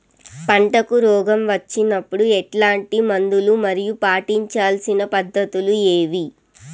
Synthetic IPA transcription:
pɐɳʈɐkuɾɔːɡɐmʋɐt͡ʃːinɐpːuɽuɛʈlaːɳʈimɐnd̪ulumɐɾijupaːʈiɲt͡ʃaːlsinɐpɐd̪ʱːɐt̪ulueːʋi

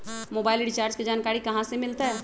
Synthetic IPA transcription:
moːbaːɪlɖɪt͡ʃaːɾd͡ʒked͡ʒaːnkaːɾikɐɦãsemɪlt̪aɦɛː

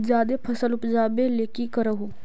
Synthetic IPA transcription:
d͡ʒjaːd̪eːpʰəsəlʊpd͡ʒaːbeːleːkiːkəɾəɦoː

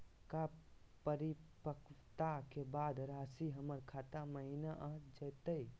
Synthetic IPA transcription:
kapəɾipəkt̪akebaːd̪ɾaːsiɦəməɾkʰaːt̪aməɦinaʔad͡ʒəːt̪əi

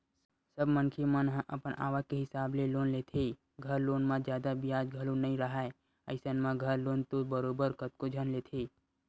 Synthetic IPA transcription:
səbmənkʰemənɦʔə̰pənʔa̰ːʋakeɦɪsaːbleloːnleːt̪ʰe | ɡʱəɾloːnmãd͡ʒjaːd̪abɪjaːd͡ʒɡʱəlũnəɦĩɾəɦaːe | əɪsənmãɡʱəɾloːnt̪obəɾoːbəɾkət̪̚kod͡ʒʱənleːt̪ʰe

